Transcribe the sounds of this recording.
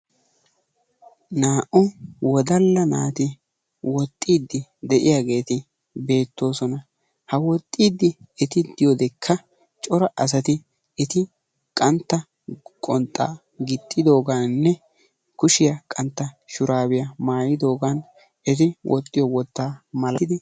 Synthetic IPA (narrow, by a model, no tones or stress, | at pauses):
naːʔʊwɔd̪ɐlːɐnaːt̪ɪ | wɔt̪ʼːiːd̪ːɪd̪ɛʔɪjaːɡe̞ːt̪ɪ | be̞ːt̪ːo̞ːsɔnɐ | hɐwɔt̪ʼːiːd̪ːɪɛt̪ɪd̪̥ɪjɔd̪ɛkʰːɐ | t͡ʃʼɔɾɐʔɐs̬ɐt̪ɪ | ɛt̪ɪ | kʼɐnt̪ːɐ | kʼɔnt̪ʼːa̰ː | ɡɪt̪ʼːɪd̪o̞ːɡɐnnːɛ | kʊʃɪjɐkʼɐnt̪ːɐʃʊɾaːbɪjɐmaːjɪd̪o̞ːɡɐn | ɛt̪̬ɪwʔɔt̪ʼːɪjɔwɔt̪ːaːmɐlɪd̪ɪ